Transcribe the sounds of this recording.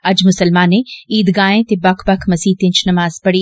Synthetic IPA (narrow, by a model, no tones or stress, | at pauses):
ɐd͡ʒmʊsɐlmaːnẽiːd̪ɡaːẽt̪ebɐkʰbɐkʰmɐsiːt̪ɪ̃nt͡ʃʰnɐmaːz̥pɐɽi